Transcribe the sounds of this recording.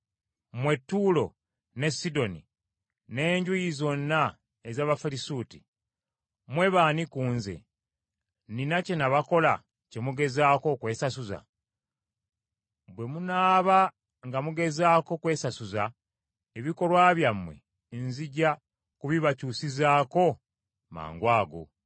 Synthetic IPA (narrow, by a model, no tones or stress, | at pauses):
mwe̞tːuːlo̞ | ne̞sido̞nḭ | ne̞ːɲɟujizo̞nːa | ezaːβafalisuːtḭ | mwe̞βaːnikuːnzḛ | ninace̞naβako̞la̰ | ce̞muɡe̞zaːko̞kwe̞ːsasuza̰ | bwe̞munaːβa | ŋɡamuɡe̞zaːko̞kwe̞ːsasuza | eβiko̞lwaːβjamːwe̞̰ | nziɟa | kuβiβacuːsizaːko̞ | ma̰ːŋɡwaːɡo̰